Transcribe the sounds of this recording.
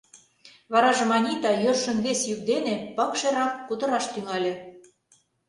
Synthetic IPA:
βɑɾɑʒɤ̆mɑnʲit̪ɑjørʃə̆nβesjyk̚d̪enĕpɤkʃĕɾɑkːud̪ɤ̆ɾɑʃt̪yŋɑlʲĕ

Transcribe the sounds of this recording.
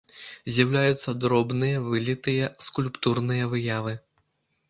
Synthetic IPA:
zʲjawlʲajut̪sːɐd̪ɾɔbnɨjɐvɨlʲit̪ɨjɐskulʲpt̪urnɨjɐvɨjavɨ

